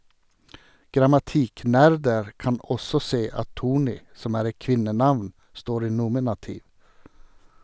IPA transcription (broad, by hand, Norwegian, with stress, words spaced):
ɡɾɑmɑˈtiːˌknæɾdəɾ ˈkɑn ˈɔsɔ ˈseː ˈɑt ˈtuːˌɳiː ˈsɔm ˈæːɾ ˈɛt ˈkʋɪnəˌnɑʋn ˈstoːɾ ˈiː ˈnuːmɪnɑtɪʋ